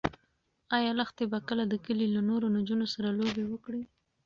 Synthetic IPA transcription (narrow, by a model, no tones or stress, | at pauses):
ɑjɑlaxt̪ebakəlad̪əkəlilanoɾonad͡ʒunosaɾalobewəkɽi